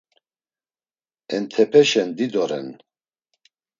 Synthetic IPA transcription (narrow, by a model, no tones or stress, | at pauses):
ɛnt̪ʰɛpʰɛʃɛnd̪id̪ɔɾɛ̰n